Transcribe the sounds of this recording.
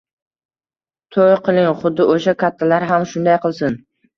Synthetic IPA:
t̪ʰojqʰɨlˠɪŋχʊd̪ːɪʔoʃakʲʰat̪ʰːalaɾɦamʃʊnd̪ajqɨlˠsɪn

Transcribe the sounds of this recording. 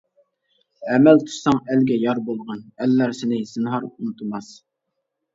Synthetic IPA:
ɛmɛlt̪ʰu̥ʃsɑŋælɡʲɛjɑɾbolˠʁɑnælːæɾsɪnɪsɨnɦɑɾunɨt̪ʰɨmɑs

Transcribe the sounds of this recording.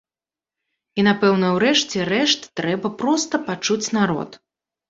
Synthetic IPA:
inapɛwnɐwɾɛʂt͡sʲɛrɛʂt̪ːɾɛbɐpɾɔst̪ɐpat͡ʂut͡sʲnaɾɔ̰t̪

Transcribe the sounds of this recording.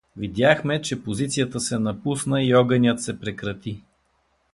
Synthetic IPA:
vid̪ʲjaxmɛt͡ʃɛpozit̪sijət̪əsɛnɐpusnəiɔɡənʲət̪sɛpɾɛkɾɐt̪i

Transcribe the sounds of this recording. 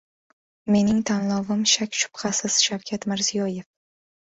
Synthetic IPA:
me̞nɪŋt̪ʰanlˠɒvɪmʃakʲʃʊ̥pqʰɑsɪz̥ʃawkʲʰat̪mɪɾzijɒje̞f

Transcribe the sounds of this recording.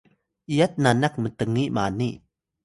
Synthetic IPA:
ʔijɐt̪̚nanɐk̚mət̪əŋːiʔmaːniʔ

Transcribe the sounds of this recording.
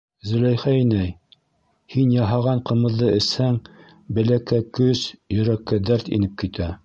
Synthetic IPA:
zɵ̆læjχæinæj | hinjɑɦɑʁɑɴqɤ̆mɤ̆ðːɤɘ̆shæŋ | bɘ̆lækːækɵsjɵ̆ɾækːæd̪æɾt̪ḭnɘp̚kit̪æ

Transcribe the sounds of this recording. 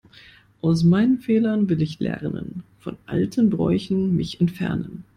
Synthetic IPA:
ʔaʊsmaɪnənfeːlɐnvɪlɪçlɛ̰ʁnə̰nfɔnʔa̰ltʰənbʁɔ̰ʏçn̩mɪçɛntfɛɐnən

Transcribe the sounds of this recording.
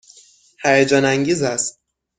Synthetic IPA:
hæjæd͡ʒɒːnæŋɟiːzæst̪̚

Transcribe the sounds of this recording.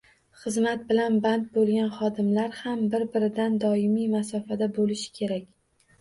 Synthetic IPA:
χɨzmat̪̚bɪlanbant̪̚bolˠɡʲanχɒd̪ɪmlaɾhambɪɾbɪɾɪd̪and̪ɒɪmijmasɒfad̪abolɪʃɪ̥kʲʰe̞ɾakʲ

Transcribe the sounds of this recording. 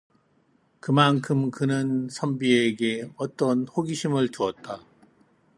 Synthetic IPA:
kɯmankʰɯmkɯnɯnsʰʌmbieɡe̞ʌt͈ʌnhoɡiɕʰimɯɭtuʌt̚t͈a

